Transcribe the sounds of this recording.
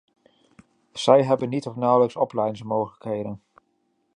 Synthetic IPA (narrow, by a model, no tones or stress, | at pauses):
z̥ɛjɦɛbənːitɔfnɑwləksɔplɛjnsmowχələkɦejdən